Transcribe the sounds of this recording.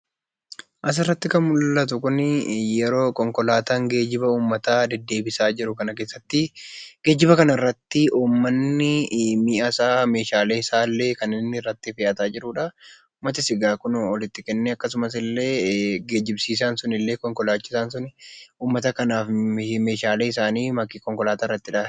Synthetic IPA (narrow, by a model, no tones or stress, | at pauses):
ʔɐs̬ɪrːɐt̪ːɪkɐnmʊlːɐt̪̬ʊkʊnjɛɾo̞ːkɔŋkɔlaːt̪aːŋɡe̞ːd͡ʒɪbɐuːmːɐt̪aːd̪ɛd̪ːe̞ːbɪsaːd͡ʒɪɾʊkɐnɐke̞ːsːɐt̪ːɪɡ̥e̞ːd͡ʒɪbɐkɐnɐɪrːɐt̪ːɪʔuːmːɐnːɪmɪʔɐsaːme̞ːʃaːleːɪsaːlːeːkɐnːɪnːɪrːɐt̪ːɪfɛːʔɐt̪aːd͡ʒɪɾuːᶑɐuːmːɐt̪ɪsɪɡaːkʊnɔlɪt̪ːɪkɛnːɛɐkːɐsʊmɐs̬ɪlːe̞ːɡe̞ːd͡ʒɪbsiːs̬aːnsʊnɪlːe̞ːkɔŋkɔlaːt͡ʃːɪ̥saːnsʊnuːmːɐt̪ɐkɐnaːfme̞ːʃaːleːɪsaːniːmɐkɪkɔŋkɔlaːt̪aːrːɐt̪ːɪᶑa